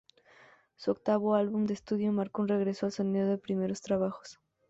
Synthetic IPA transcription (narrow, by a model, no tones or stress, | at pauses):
suok̚t̪aβoalβumd̪eːst̪uðjomaɾkounre̞ɣɾe̞soalsoniðoðepɾime̞ɾost̪ɾaβ̞axo̥s